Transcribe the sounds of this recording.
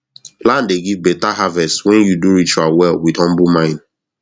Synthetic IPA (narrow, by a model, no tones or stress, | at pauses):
lãndeɡivbɛtaɦavɛstwɛ̃njuduɹit͡ʃualwɛlwidhɔ̃mbumãɪ̃n